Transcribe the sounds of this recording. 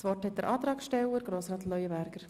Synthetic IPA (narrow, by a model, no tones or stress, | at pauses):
sʋɔrthɛtdəɾʔɑːt̪ɾɑːkʃtɛwəɾɡɾoːsɾɑːtlœʏjəbæɾɡ̥əɾ